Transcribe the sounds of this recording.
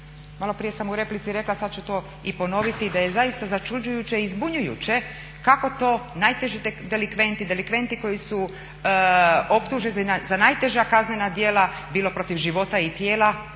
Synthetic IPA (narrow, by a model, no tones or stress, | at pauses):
malˠo̞pɾije̞samuɾe̞plit̪siɾe̞klˠasad̪̚t͡ɕut̪o̞ː | ipo̞no̞ʋit̪id̪aje̞zajist̪azat͡ʃud͡ʑujut͡ɕeizbuɲujṵt͡ɕe̞ | kako̞t̪o̞ːnajt̪eʒit̪ed̪elikʋe̞nt̪id̪elikʋe̞nt̪iko̞jisu | o̞pt̪uʒezazanajt̪e̞ʒakaznenad̪je̞ːla | biːlˠo̞pɾo̞t̪iʋʒiʋo̞t̪ait̪jeːla